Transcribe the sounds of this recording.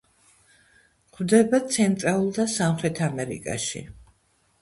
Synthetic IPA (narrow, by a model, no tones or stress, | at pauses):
χvd̪ɛbat̪sʰɛnt̪ʼɾalˠulˠd̪asamχɾɛt̪ʰamɛɾḭkʼa̰ʃḭ